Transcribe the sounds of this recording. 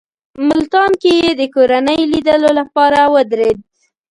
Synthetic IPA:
mʊlt̪ɑnkejed̪əkoɾanəjlid̪əlolapɑɾawəd̪ɾed̪̚

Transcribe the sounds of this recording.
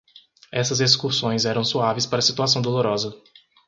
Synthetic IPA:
ɛsɐzeskuɾsõj̃zɛɾɐ̃w̃suavɪspaɾɐsit̪uasɐ̃w̃d̪oloɾɔzɐ

